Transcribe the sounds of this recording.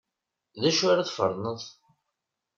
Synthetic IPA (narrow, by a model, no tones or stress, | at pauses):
ðæʃʊɾaθfə̰ɾˤnəðˤ